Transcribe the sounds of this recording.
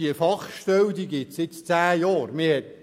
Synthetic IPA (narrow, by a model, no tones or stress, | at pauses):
iəfɑχʃtœwd̪iɡɪtsɪt͡st͡sæːjɔːrmɪhɛt